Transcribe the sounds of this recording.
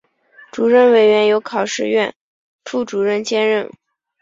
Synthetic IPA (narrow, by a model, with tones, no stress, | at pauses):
ʈ͡ʂu˨˩ɻə˥˩nwe˧˥ɪɥɛ˧˥njo˧˥ʊkʰɑ˨˩ʊʂɻ̩˥˧ɥɛ˥˩n | ʈ͡ʂʰu˥˩ʈ͡ʂu˨˩ɻə˥˧nt͡ɕjɛ˥nɻə˥˩n